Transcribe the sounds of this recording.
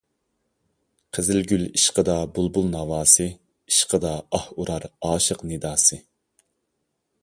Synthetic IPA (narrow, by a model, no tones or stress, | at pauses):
qʰəzɪlɡʲyliʃqəd̪ɑbulˠbulˠnɑwɑːsɨ | iʃqʰəd̪ɑɑhuɾɑɾɑːʃəqned̪ɑːsɨ